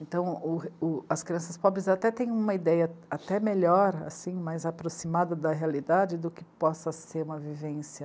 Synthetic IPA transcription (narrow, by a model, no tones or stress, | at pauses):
ẽnt̪ɐ̃w̃ʊʊɐskɾiɐ̃sɐspɔbɾɪzat̪ɛt̪ẽj̃ũmɐid̪ɛjɐat̪ɛmeʎɔɾa̰sĩmajzapɾosimad̪ɐd̪ɐɦealid̪ad͡ʒɪd̪ʊkɪpɔsɐseɾũmɐvivẽsjɐ